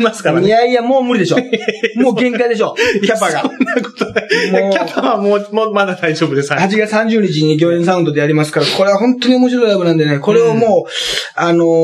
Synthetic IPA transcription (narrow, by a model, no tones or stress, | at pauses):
masɨ̥kaɾamʲiaijamoːmɯ̟ɾid̪e̞ɕomoːɡẽ̞ŋkaid̪e̞ɕo̞ːkʲapaɡanakot̪od̪emoːkʲapʰaβamoːmomad̪ad̪aid͡ʑo̞ːbɯd̪eshat͡ɕiɡat͡sɨsãɲ̟d͡ʑɨːɲ̟it͡ɕiɲ̟iɡʲo̞ːẽɰ̃s̬aɯ̃nd̪o̞d̪e̞jaɾʲimasɨ̥kaɾako̞ɾe̞βaɦõ̞nt̪ːo̞ɲ̟io̞mo̞ɕiɾo̞iɾabɯ̟nãnd̪ene̞ko̞ɾe̞omoːano̞